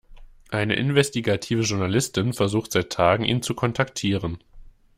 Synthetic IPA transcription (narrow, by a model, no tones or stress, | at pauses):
ʔaɪnə̰ʔɪnvɛstiɡatʰiːvəʒʊɐnalɪstɪnfɛɐzuːxtz̥aɪtʰːaːɡŋ̩ʔiːnt͡sukʰɔntʰaktʰiːʁ̞ən